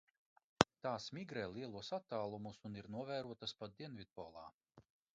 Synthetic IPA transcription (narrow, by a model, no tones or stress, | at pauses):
t̪aːsmiɡɾɛːlˠiɛlˠuɔsat̪ːaːlˠumusuniɾnuɔvɛːɾuɔt̪aspad̪̚d̪iɛnvʲid̪̚pɔːlˠɑ̰ː